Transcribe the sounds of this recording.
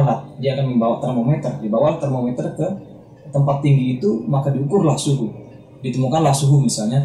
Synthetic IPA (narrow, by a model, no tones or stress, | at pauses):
ɾat̪̚diaːkanəbawat̪ərmomɛt̪ərdibawalt̪ərmomet̪ərkə | t̪əmpat̪ːiŋɡiːt̪umakadiukʊrlahsuɦu | dit̪əmukanlahsuɦumisalɲa